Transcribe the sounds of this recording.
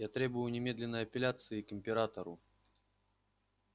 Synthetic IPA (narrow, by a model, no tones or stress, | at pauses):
jat̪ɾʲebʊjʊnʲɪmʲed̪lʲɪnːəjɐpʲɪlʲat̪sɨikɪmʲpʲɪɾat̪əɾʊ